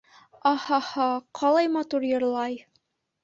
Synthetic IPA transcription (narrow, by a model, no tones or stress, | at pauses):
ɑhɑhɑqʰɑlˠɑjmɑt̪uɾjɤ̆ɾlˠɑj